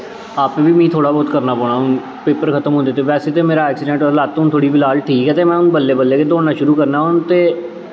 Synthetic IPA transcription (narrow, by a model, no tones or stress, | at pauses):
aːpːʋiːmĩːt̪ʰoːɽaːbɔːt̪kəɾnaːpɔːɽaːɦʊn | peːpəɾkʰət̪əmɦõːnd̪eːt̪eːʋɛːseːt̪eːmeːɾaːɛːksɪɖɛ̃ɳʈɔːɾlaːt̪ːõnt̪ʰoːɽiːbɪlaːlʈʰiːkɛːt̪eːmɛ̃ːʊnbəlːeːbəlːeːkeːd̪oːnaːʃʊɾuːkəɾnaːɦʊnt̪eː